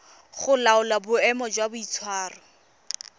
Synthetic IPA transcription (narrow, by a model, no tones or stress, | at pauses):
χʊlaʊlabʊɛmɔd͡ʒwabʊit͡sʰwaːrɔ